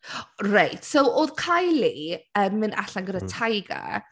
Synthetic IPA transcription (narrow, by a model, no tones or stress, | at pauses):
rajtʰsowoːð̥kʰajliəmːɨna̰ɬanɡədatʰajɡa̰